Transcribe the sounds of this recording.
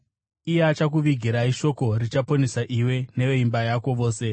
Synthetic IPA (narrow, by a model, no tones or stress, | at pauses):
ijeat͡ʃak̬uʋiɡʱiɾaiʃo̞ko̞rit͡ʃapo̞nesaʔiwe̞ne̞ʋeimbajako̞ʋo̞ːse̞